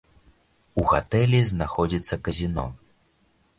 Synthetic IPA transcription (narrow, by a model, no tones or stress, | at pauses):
uɣat̪ɛlʲiznaxɔd͡zʲit̪sːɐkɐzʲinɔ̰